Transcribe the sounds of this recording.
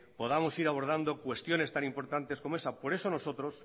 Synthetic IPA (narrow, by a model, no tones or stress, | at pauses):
po̞ðamo̞siɾaβ̞o̞ɾð̞and̪o̞kwe̞st̪jo̞ne̞st̪anĩmpo̞ɾt̪ant̪e̞sko̞moesapo̞ɾe̞so̞no̞so̞t̪ɾo̞s